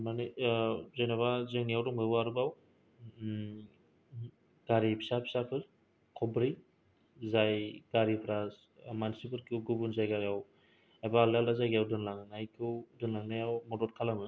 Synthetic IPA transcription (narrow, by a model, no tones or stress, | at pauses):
manizenaβazɯŋnijawdɔŋmɯbɯaɾubaw | ɡ̥aɾipʰi̥sapʰi̥sapʰɯɾ | kʰɔbɾi | zajɡ̥aɾipʰɾas | mansipɯɾkiuwɡubunzajɡaɡaw | ajbaːlaldazajɡiawdɯnlaŋnajkʰuwdɯnlaŋnajawmɔdɔt̚kʰalamɯ